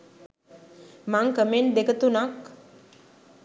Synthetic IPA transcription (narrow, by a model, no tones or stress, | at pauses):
maŋkəmend̪ekət̪unak